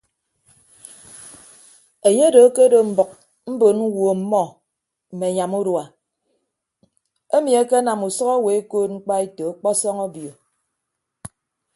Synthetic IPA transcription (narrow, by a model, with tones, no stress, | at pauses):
e˨ɲe˦do˨˦ke˦do˨m̩˨bɔ˨k̚ | m̩˦bo˨n̩˦wo˨m̩˦mɔ˦ | m̩˨me˨ɲa˨mu˦ɾwa˨ | e˦mi˨e˦ke˦na˨mu˨sɔ˦ɣɔ˦we˨˦e˦koː˦t̚ŋ͡m̩˦k͡pa˦e˦to˨a˦k͡pɔ˦sɔ˦ŋɔ˦bjo˨